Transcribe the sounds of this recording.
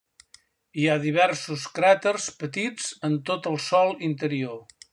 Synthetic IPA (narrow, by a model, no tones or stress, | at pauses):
iaðiβ̞ɛɾsuskɾɛt̪ərspət̪id͡zənt̪ot̪əlˠsɔlˠint̪əɾio